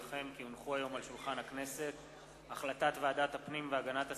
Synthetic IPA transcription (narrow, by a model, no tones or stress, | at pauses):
χe̞mkiunχuajo̞malʃulχanhakne̞se̞t̪ | aχlat̪at̪vead̪at̪hapnimveaɡanat̪ha